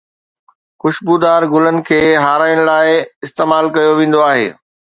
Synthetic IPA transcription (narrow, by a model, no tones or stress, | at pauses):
xʊʃbud̪aːɾɡʊlənɪ̆kʰeːɦaːɾaːɪɽ̃laːɪɪst̪eːmaːlkɐjoʋẽːn̆d̪oaːɦḛː